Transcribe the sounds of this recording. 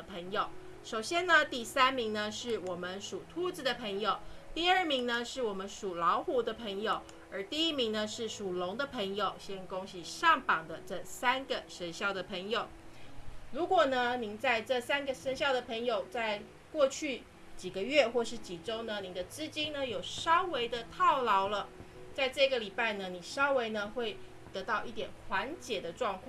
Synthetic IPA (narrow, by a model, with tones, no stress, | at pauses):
pʰə˧˥ŋjo˨˩ʊ | ʂo˨˩ʊɕjɛ˥nnə˧t̪i˥˩sa˥nmi˧˥ŋnə˧ʂɻ̩˥˩wɔ˨˩mə˦nʂu˨˩t̪ʰu˥˩t͡sɹ̩˨˩d̪ə˨pʰə˧˥ŋjo˨˩ʊt̪i˥˧ə˞˥˩mi˧˥ŋnə˧ʂɻ̩˥˩wɔ˨˩mə˦nʂu˨˩lɑ˧˥ʊxu˧˥d̪ə˧pʰə˧˥ŋjo˨˩ʊ | ə˧˥t̪i˥˧i˥˩mi˧˥ŋnə˧ʂɻ̩˥˩ʂu˨˩lʊ˧˥ŋd̪ə˧pʰə˧˥ŋjo˨˩ʊɕjɛ˥nko˥ŋɕi˨˩ʂɑ˥˩ŋpɑ˨˩ŋd̪ə˦ʈ͡ʂɤ˥˩sa˥nɡə˨ʂə˧˥nɕjɑ˥˩ʊd̪ə˩pʰə˧˥ŋjo˨˩ʊ | ɻu˧˥kwɔ˨˩nə˦ni˧˥ŋt͡sa˥˧ɪʈ͡ʂɤ˥˩sa˥nɡə˨ʂə˧˥nɕjɑ˥˩ʊd̪ə˩pʰə˧˥ŋjo˨˩ʊt͡sa˥˧ɪ | kwɔ˥˧t͡ɕʰy˥˩ | t͡ɕi˨˩ɡə˦ɥɛ˥˧xwɔ˥˧ʂɻ̩˥˩t͡ɕi˨˩ʈ͡ʂo˥ʊnə˧ni˨˩d̪ə˦t͡sɹ̩˥t͡ɕi˥nnə˨jo˨˩ʊʂɑ˥ʊwe˧˥ɪd̪ə˧t̪ʰɑ˥˩ʊlɑ˧˥ʊlə˧ | t͡sa˥˧ɪʈ͡ʂɤ˥˩ɡə˩li˨˩pa˥˩ɪnə˩ni˨˩ʂɑ˥ʊwe˧˥ɪnə˧xwe˥˩ɪ | t̪ɤ˧˥t̪ɑ˥˧ʊi˥˩t̪jɛ˨˩nxwa˧˥nt͡ɕjɛ˨˩d̪ə˦ʈ͡ʂwɑ˥˧ŋkʰwɑ˥˨